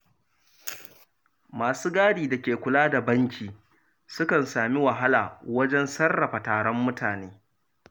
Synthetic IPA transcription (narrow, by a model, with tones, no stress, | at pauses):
maː˨suː˦ɡaː˦ɽiː˨da˨kʲeː˨kʷʊ˨laː˦da˨bɐ˦ŋkʲʰiː˨ | sʊ˦kɐ˨nsaː˨mi˦wa˨ɦa˦laː˨wɐ˦d͡ʒɛ˦nsɐ˦rːɐ˨ɸa˨taː˨ɽɔ˦mːʊ˦tʰaː˨neː˦